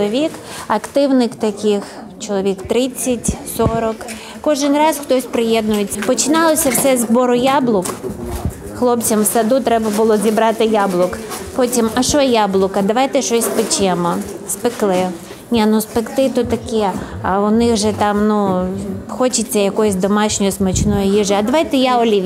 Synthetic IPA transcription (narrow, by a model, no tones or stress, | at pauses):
ɔʋʲik | ɐkt̪ɪwnɪkt̪ɐkʲɪx | t͡ʃɔlˠɔʋʲikt̪ɾɪt͡sʲːɐtʲsɔɾɔk | kɔʒɪnrɑzxt̪ɔsʲpɾɪjɛd̪nʊjet͡sʲːɐpɔt͡ʃɪnɑlˠɔsʲɐwsɛzbɔɾʊjɑblˠʊk | xlˠɔpt͡sʲɐmwsɐd̪ut̪ɾɛbɐbʊlˠɔzʲibɾɑt̪ɪjɑblˠʊkpɔtʲimɐʃɔjɛjablˠʊkɐd̪ɐʋɑjt̪ɛʃɔsʲspɪt͡ʃɛmɔ | spɪklˠɪ | nʲanʊspɪkt̪ɪt̪ʊt̪ɐkʲɛɐʊnɪxʒɛt̪ɑmnu | xɔt͡ʃɪt͡sʲːɐjɐkɔjʊsʲd̪ɔmɑʃnʲɔjʊsmɔt͡ʃnɔjʊjiʒɪɐd̪ɐʋɑjt̪ɛjaɔlʲiʋʲ